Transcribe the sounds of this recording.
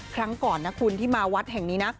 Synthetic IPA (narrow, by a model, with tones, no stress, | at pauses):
kʰɾa˦˥ŋkɔː˨˩nːa˦˥kʰuː˧nt̪ʰiː˥˩maː˧wa˦˥t̪̚hɛ˨˩ŋniː˦˥na˦˥k̚